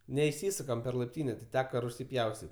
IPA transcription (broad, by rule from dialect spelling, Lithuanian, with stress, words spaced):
nʲɛɪˈsʲiːsʊkɐm pʲɛr lˠɐɪpʲˈtʲiːnʲeː tʲɪ ˈtʲæːkɐ rʊˈsʲiː ˈpʲjɛʊsʲtʲɪtʲ